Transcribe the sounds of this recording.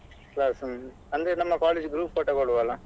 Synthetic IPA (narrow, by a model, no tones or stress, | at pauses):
klɐs | ɐnd̪ɯnɐmːɐkaːled͡ʒɡɾuːppɐʈːɐkɔɽɯʋaːlãː